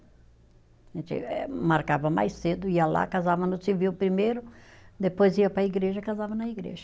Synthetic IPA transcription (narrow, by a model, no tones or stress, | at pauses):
ʒẽt͡ʃ̪ɪ̰ɛmaɾkavɐma̰jsed̪ʊiɐla̰kazavɐnʊsiviwpɾimejɾʊd̪epojziɐpɾɐiɡɾeʒɐkazavɐnɐiɡɾḛʒɐ